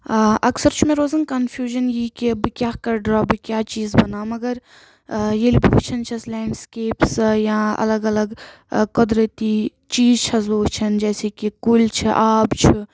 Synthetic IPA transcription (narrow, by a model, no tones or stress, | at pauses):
ʔɐksɐɾt͡ʃʰumẽɾoːzɐnkɐnfʰjuːʒənjikibɨkʲjaːkɐɾɖɾaːbɨkʲjaːt͡ʃiːzbɐnaːmɐɡəɾ | jelibiut͡ʃʰɐnt͡ʃʰɐslɛːɳɖskeːpsjãɐ̰ləɡɐləɡ | kud̪ɾət̪i | t͡ʃiːzt͡ʃʰɐzoːɦt͡ʃʰɐnd͡ʒɛːsekikult͡ʃʰiʔaːbt͡ʃʰu